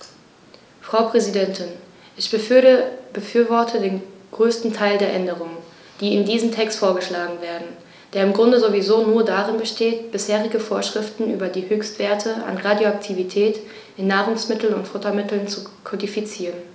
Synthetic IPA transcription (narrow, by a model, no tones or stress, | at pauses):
fʁ̥aʊpʁ̥ɛzidɛntʰɪn | ʔɪçb̥ə | bəfyːɐvɔɐtʰədeːnɡ̥ʁøːstn̩tʰaɪldeːɐʔɛndəʁ̞ʊŋən | d̥iːɪndiːzəm̩tʰɛkstfoːɐɡəʃlaːɡŋ̩veːɐdn̩ | d̥eːɐɪmɡʁʊndəzovizoːnuːɐdaʁɪnbəʃteːtb̥ɪsheːʁɪɡəfoːɐʃʁ̥ɪftn̩ʔy̰ːbɐdiːhøːçstv̥eːɐtʰəa̰nʁaːdjoak̚tʰivitʰɛːt | ʔɪnːaːʁʊŋsmɪtl̩nʊntfʊtɐmɪtl̩nt͡sukʰɔdifit͡siːʁən